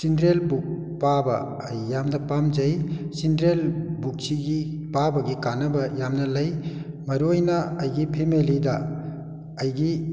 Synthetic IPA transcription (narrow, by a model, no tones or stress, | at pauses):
sindɾelbuk̚ | pabɐ̰ː | jːamnɐpamd͡ʒɐjsindɾelbuk̚siɡipabɐɡikanɐbɐjamnɐlɐj | mɐɾuojnɐɐjɡipʰemelidɐː | jɡi